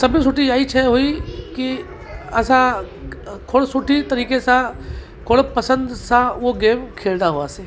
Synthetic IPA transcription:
sɐbʱisʊʈijaːit͡ʃʰɛɦoiki | ɐsã | kʰoɽsʊʈit̪ɐɾiːkesã | kʰoɽpɐsə̃nd̪sãʋoɡeːmkʰeːld̪aɦoaseː

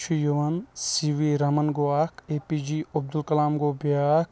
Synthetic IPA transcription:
t͡ʃʰijuʋɐnsiʋiɾɐmɐnɡoaːkeːpiːd͡ʒiɐb̚d̪ulkɐlaːmɡoːbiak

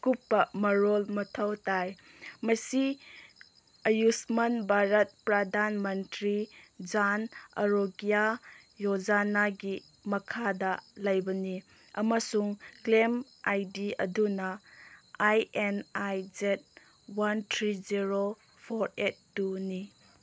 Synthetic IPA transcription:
kupːɐmɐɾolmɐtʰɐwtaj | mɐsi | ɐjusmɐnbʱaɾɐt̚pɾɐdanmɐntɾid͡ʒanɐ̰ɾoɡija | jod͡ʒanaɡi | mɐkʰadɐlɐjbɐni | ɐmɐsuŋklem | ajdiɐ̰dunɐ | ajenajd͡ʒet̚ | wantʰɾiziɾo | pʰoɾet̚ːuni

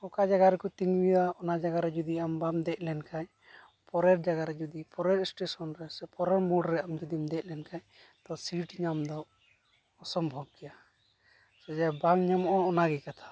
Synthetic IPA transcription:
ɔkad͡ʒaɡaɾɛkɔt̪iŋwiwaɔnad͡ʒaɡaɾɛd͡ʒud̪iambamd̪ɛc̚ˀlɛnkʰaɲ | pɔɾɛɾ̚d͡ʒaɡaɾɛd͡ʒud̪ipɔɾɛɾsʈesɔnɾɛsɛpɔɾɛɾmɔɖɾɛamd͡ʒud̪imd̪ɛc̚ˀlɛnkaɲ | t̪ɔsiʈɲamd̪ɔ | ɔsɔmbʱɔɡ̚kɛja | sɔd͡ʒabaŋɲamɔʔɔɔnaɡɛkat̪ʰḁ

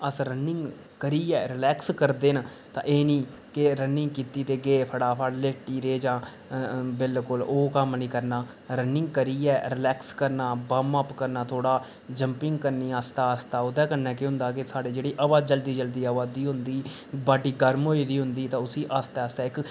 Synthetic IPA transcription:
əsɾənɪŋɡ | kəɾiːɛːɾɪlɛːkskəɾd̪eːn | t̪ã̰ːʔeːniː | kɪɾənːɪ̃ŋɡkiːt̪iːt̪eːɡeːpʰəɽaːpʰaːɽleːʈiːɾeːd͡ʒãː | bɪlkʊloːkəmnĩːkəɾnaː | ɾənɪŋɡkəɾiːɛːɾɪlɛːkskəɾnaːbəməpkəɾnaːt̪ʰoːɽaː | d͡ʒəmpɪŋɡkəɾniːaːst̪aːəst̪aːʊd̪ɛ̃ːkənɛːkɪɦʊ̃nd̪aːkɪsaːɖeːd͡ʒeːɽiːʔəʋaːd͡ʒəld̪iːd͡ʒəld̪iːaːʋaːd̪iːɦʊnd̪iː | baːɖiːɡəɾmɦoːiːd̪iːɦʊnd̪iːt̪ãːʊsiːʔaːst̪ɛːəːst̪aːɪk

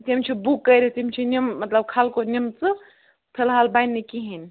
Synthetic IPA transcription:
t̪imt͡ʃʰibukːəjɾit̪imt͡ʃʰinimːɐt̪ləb̚kʰalkonimt͡sɨ | p̪ʰelɦaːlbajnːikiɦinʲ

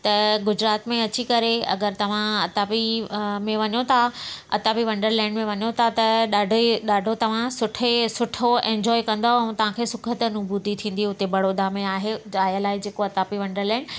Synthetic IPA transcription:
t̪ɐɡʊd͡ʑɾaːt̪mẽɐt͡ɕikɐɾeɐ̰ɡəɾt̪ɐʋ̤ãɐt̪aːpimẽʋɐɲot̪ʰaɐ̰t̪aːpiʋɐ̃ɳɖəɾlɛ̃ːɳɖmẽʋɐɲot̪ʰat̪ɐɗaːɖʱɗaːɖʱot̪ɐʋ̤ãsʊʈʰesʊʈʰoẽːɲd͡ʑɔːikɐ̃nd̪oɛũt̪ɐʋ̤ãkʰeːsʊkʰət̪nʊbuːt̪it̪ʰĩːn̆d̪iʊt̪ebɐɽod̪aːmẽaːɦeaːjəlaːɪd͡ʑeːkoɐt̪aːpiʋɐ̃ɳɖəɾlɛ̃ːɳɖ

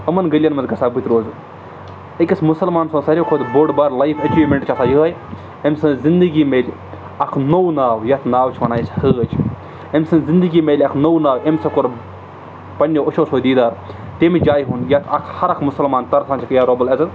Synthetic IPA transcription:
əmɐnɡəljɐnmɐzɡɐsʰaːbut̪ɾoːz | əkʲɐsmusɐlmaːnsõːsɐɾʲekʰod̪boɖbaɾlajfʰɐt͡ʃiːʋmʲeɳʈt͡ʃʰɐsʰaːjəɦɐj | emsɨ̃nzind̪ɨɡiːmeːlʲ | ɐkʰnownaːwjɐt̪ʰnaːwt͡ʃʰʋɐnaːjshəːɐt͡ʃʰ | emʲsɨnzind̪ɨɡiːmelʲɐkʰnownaːwemʲsɐkoɾ | pɐnʲːeoʃʰoːsoːd̪iːd̪aːɾ | t̪emed͡ʒaːjɦunjɐt̪ʰɐkʰhɐɾɐkʰmʊsɐlmaːnt̪ɐɾsʰaːnt͡ʃʰɐkjaɾobəlɐzɨ

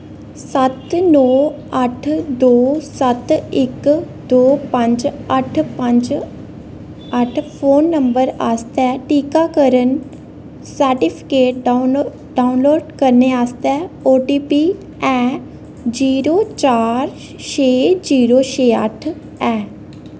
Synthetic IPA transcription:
sət̪nɔː | əʈʰd̪oːsət̪ɪk | d̪oːpə̃ɲd͡ʒəʈʰpə̃ɲd͡ʒ | əʈʰpʰoːnːəmbəɾaːst̪ɛːʈiːkaːkəɾən | səɾʈipʰɪ̥keːʈ | ɖaːʊnloːɖkəɾneːaːst̪ɛːoːʈiːpiː | ɛː | d͡ʒiːɾoːt͡ʃaːɾ | ʃeːd͡ʒiːɾoːʃeːə̰ʈʰ | ɛː

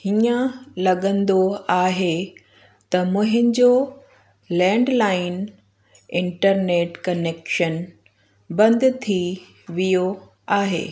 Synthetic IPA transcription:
hiə̃lɐɠə̃nd̪oaːɦe | t̪ɐmʊ̃ɦɪnɪ̆d͡ʑoː | lɛ̃ːɳɖlaːɪn | ɪ̃ɳʈəɾneːʈkɐneːkʃən | bɐ̃nd̪t̪ʰi | ʋijo | aːɦḛː

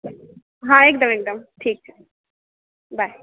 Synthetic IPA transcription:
ɦãeːk̚d̪ɐmeːk̚d̪ɐmʈʰiːk̚t͡ʃu | baɪ

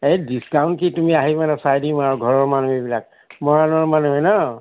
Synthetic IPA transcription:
ejdiskaw̃nkitumiaɦimanɛsajdimaɔɡʱɔɹɔɹmanuɦebilak̚ | mɔɹanɔɹmanuɦɛnɔ

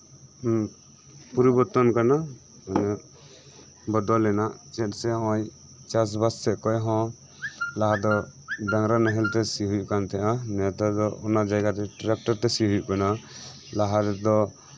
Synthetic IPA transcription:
puɾibɔt̪ɔnkana | manɛ | bɔd̪ɔlɛnaʔt͡ʃɛt̪sɛɔ̃j | t͡ʃas̬basːɛʔkɔjɦɔ̃ | laɦad̪ɔdaŋɾanaɦɛlt̪ɛsiɦujuʔkant̪ʰɛʔant̪ad̪ɔɔnad͡ʒajɡat̪ɛʈɾɛk̚ʈɔɾt̪ɛsiɦujṵʔkana | laɦaɾd̪ɔ

